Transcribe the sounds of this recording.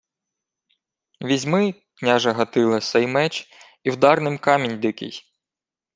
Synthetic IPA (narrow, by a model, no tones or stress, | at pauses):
ʋʲizʲmɪ | knʲɑʒɐɦɐt̪ɪlˠɐsɛjmɛt͡ʃ | iwd̪ɑrnɪmkɑmʲinʲd̪ɪkɪ̰j